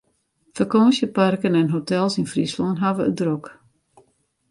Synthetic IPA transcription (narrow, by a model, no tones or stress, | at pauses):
fəkɔːnsjəparkənɛnɦotʰɛlˠsinfrislɔnɦaʋəədrok